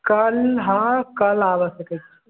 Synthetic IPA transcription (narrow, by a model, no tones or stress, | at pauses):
kəlɦãkəlaːʋəsəkət͡ʃʰi